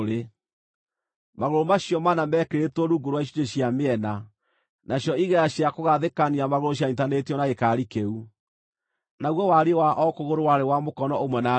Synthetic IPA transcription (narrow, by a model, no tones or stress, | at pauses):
ɾe | maɣoɾomaɕjɔmanamɛkeɾetwɔɾuːɡoɾwaiɕiteɕjameɛna | naɕjɔiɣɛɾaɕjakoɣaðekaniamaɣoɾoɕ̬jaitanetiɔnaɣekaɾikeu | naɣwɔwaɾewaʔɔkoɣoɾowaɾewamokɔnɔomwɛna